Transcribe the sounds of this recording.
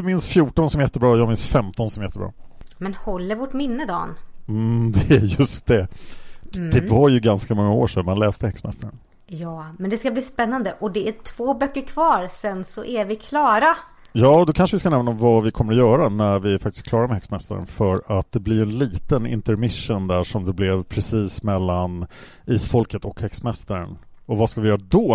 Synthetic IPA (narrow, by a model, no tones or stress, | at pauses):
d̪ɵmɪnsfjuːʈɔnsɔmɛjɛt̪ːəbɾɑːjɑːɡmɪnsfɛmt̪ɔnsɔmɛjɛt̪ːəbɾɑ̰ːmɛnhɔlːəɾvɔʈmɪnːəd̪ɑ̰ːn | d̪ɛæjɵst̪̚d̪ɛ | d̪ɛvaɾjɵɡanskamɔŋːao̰ːʂɛnmanlɛːst̪əhɛksmɛ̰st̪aɾə̰n | jɑːmɛnd̪ɛskabliːspɛnːand̪əʔɔd̪ɛæʈʰv̥oːbœkːəɾkʰvɑːɾsɛnsɔʔæɾvɪkʰlɑːɾa | jɑːd̪ɔkʰanʂəvɪskanɛmnaɔmvavɪkʰɔmːəɾɔjœːɾanæɾvɪæɾfak̚t̪ɪ̥skʰlɑːɾaɾmɛhɛksmɛst̪a̰ɾə̰nfœɾat̪̚d̪ɛblɪɾɛnliːt̪ənɪ̰nt̪əɾmɪʂːənd̪æʂɔmd̪ɛblɛvpʰɾɛsiːsmɛlːan | iːsfɔlkət̪ɔkhɛksmɛst̪aɾə̰nɔvaskavɪjœːɾad̪ɔ